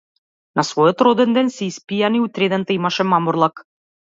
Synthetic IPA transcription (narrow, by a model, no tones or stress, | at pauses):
nɑsvojot̪ɾod̪ĕnd̪ensisʲpʲijɑniut̪ʲɾʲed̪ɛnt̪əjmɑʃĕmɑmorlˠɑk